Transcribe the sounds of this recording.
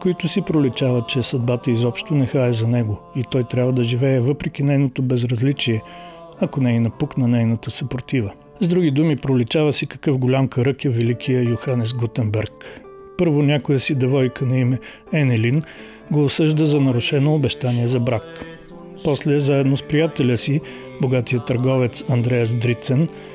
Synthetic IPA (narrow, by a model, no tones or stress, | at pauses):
koit̪ʊsipɾolit͡ʃavət̪̚t͡ʃɛsɐd̪̚bat̪əizɔpʃt̪onɛxaɛzɐnɛɡoit̪ɔjt̪ɾʲabvəd̪ɐʒivɛɛvɤpɾɛk̟ʲinɛjnot̪obɛzɾɐzlit͡ʃiɛ | ɐkonɛinɐpuknɐnɛjnɐt̪əsɐpoɾt̪ivə | zd̪ɾuɡid̪umipɾolit͡ʃavəsikɐ̥kɤfɡolʲamkɐɾɤkɛvɛlikʰʲijəjʊxanɛs̬ɡot̪ɛmbɛɾk | pɤɾvonʲakojəsid̪ɛvɔjkʰənɐimɛ | ɛnɛlin | ɡoːsɤʒd̪əzɐnɐɾʊʃɛnoːbɛʃt̪aniɛzɐbɾak | pɔslɛzaɛd̪nospɾijat̪ɛlʲəsi | boɡat̪ijət̪ɐɾɡɔvɛt̪sɐnd̪ɾɛjəs̬d̪ɾit̪sɛn